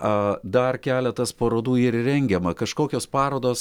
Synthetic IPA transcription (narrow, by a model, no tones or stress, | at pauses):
ɐd̪ɐrkʲæːlʲɛt̪ɐspɐɾoːd̪uːiːɾrʲɛŋʲɡʲɛmɐkɐʃkoːkʲoːspɑːɾoːd̪oːs